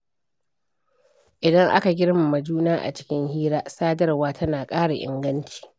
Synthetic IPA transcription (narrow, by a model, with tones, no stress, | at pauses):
ʔɪ˨dɐ˦ŋʔa̰˦ka˨ɡʲɪ˦ɽma˨mɐ˨d͡ʒuː˦naː˦ʔa̰˨t͡ʃɪ̥˦kʲɪ˦ŋhiː˦ɽaː˦saː˦dɐ˦rwaː˦tʰɐ˦naː˨kʼaː˦ɽa˨ʔɪ̰˨ŋɡɐ˦nt͡ʃi̥ː˨